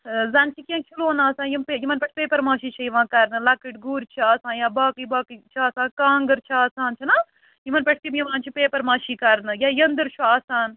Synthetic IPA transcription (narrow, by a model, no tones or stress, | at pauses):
zɐnt͡ʃʰikʲẽːt͡ʃʰuloːnaːsãːjimpejimɐnpɐʈʰpeːpɐɾmaːʃiːt͡ʃʰɐjiʋãːkɐɾnɨlɐkiʈɡuːɾt͡ʃʰiaːsãːjaːbaːkibaːkit͡ʃʰaːsãːkãːŋɡəɾt͡ʃʰaːsaːnt͡ʃʰinaː | jimɐnpɐʈʰt̪imjiʋãːnt͡ʃʰipeːpɐɾmãːʃiːkɐɾnɨjaːjɐnd̪ɨɾt͡ʃʰuaːsaːn